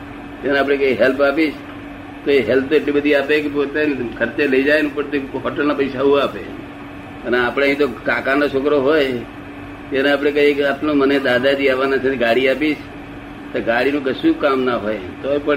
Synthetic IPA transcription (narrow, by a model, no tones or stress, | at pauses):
t̪eneaːp̬ɽ̃ekəiɦɛlpapiʃ | t̪oeɦelpʰt̪oeʈlibəd̪ʱiapekepot̪ekʰəɾt͡ʃeləid͡ʒajnũpəɳt̪oɦɔʈəlnapəɪsaũape | əneapɽ̃eəĩt̪okakanot͡ʃʰokɾoɦoj | t̪eneap̬ɽ̃ekəɦiapnoməned̪ad̪at̪iaʋanat͡ʃʰeɡaɽiapiʃ | t̪oɡaɽinũkəsũkamnaɦoj | t̪oepə